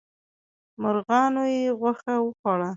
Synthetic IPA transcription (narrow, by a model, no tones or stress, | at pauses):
mʊɾɣɑnojeɣwaxawəxɑɽa